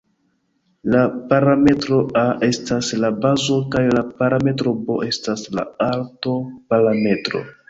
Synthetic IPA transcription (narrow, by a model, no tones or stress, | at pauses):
lapaɾame̞tɾo̞aʔe̞staslabazo̞kajlapaɾame̞t̬ɾo̞bo̞ʔe̞stasla̰alto̞paɾame̞tɾo̞̰